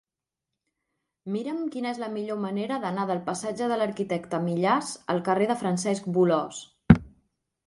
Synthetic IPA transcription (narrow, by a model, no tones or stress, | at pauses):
miɾəmkinəezləmiʎoməneɾəðənaðəlˠpəsad͡ʒəðələɾkit̪ɛkt̪əmiʎazə̰lˠkəreðəfɾənsɛsk̚bulɔs